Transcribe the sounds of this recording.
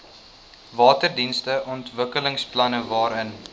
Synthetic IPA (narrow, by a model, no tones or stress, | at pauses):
vɑːtərdinstəʔɔntvəkələŋsplɐnəvɑːɾən